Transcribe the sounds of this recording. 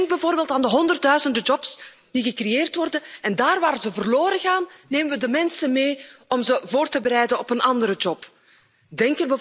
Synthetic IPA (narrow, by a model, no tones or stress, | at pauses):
ŋɡ̚bɛvoːrbeːlˠtaːndəɦɔndərt̚dœɥzəndəd͡ʒɔps | d̥iɣəkrejeːrtʋɔrdənɛndaːrʋaːɾəzəvərloːɾəɣaːnːeːməʋədəmɛnsənmeːɔmzəvoːrtəbəɾɛjdənɔpənɑndəɾəd͡ʒɔp | dɛŋkərbɛ